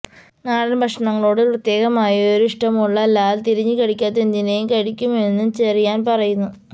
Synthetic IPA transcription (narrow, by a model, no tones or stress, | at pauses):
naːɽɐnbʱɐkʂɐɳɐŋːɐɭo̞ːɽɨprɐt̪je̞ːɣɐmaːjɐoɾuiʂʈɐmuɭːɐɐlːaːlt̪iɾiɲːɨkɐɻikʲːaːt̪ːend̪inejumkɐɻikʲːume̞nːut͡ɕerijaːnpɐrɐjunːu